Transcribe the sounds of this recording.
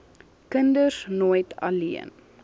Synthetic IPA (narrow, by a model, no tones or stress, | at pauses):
kəndəsnojtɐ̰liən